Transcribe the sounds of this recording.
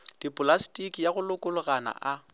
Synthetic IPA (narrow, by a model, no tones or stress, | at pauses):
d̥ipʼʊlastʼikʼijaɣʊlʊkʼʊlʊɣana̰ʔa